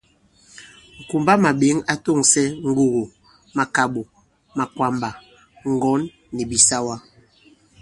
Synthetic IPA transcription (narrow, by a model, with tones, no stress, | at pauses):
ŋ̩˨ku˨mba˦ma˨ɓe˨˦ŋa˦to˦˨ŋsɛ˦ŋ̩˦ɡu˨ɣo˨ | ma˨ka˨ɓo˨ | ma˨kwa˨mba˨ | ŋ˨ɡɔ˨˦nː | ɛ˨bi˨sa˦wa˦